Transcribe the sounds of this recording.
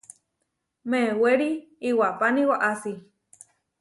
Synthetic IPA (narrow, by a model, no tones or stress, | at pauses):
mẽweɾiːwapanĩwaʔasi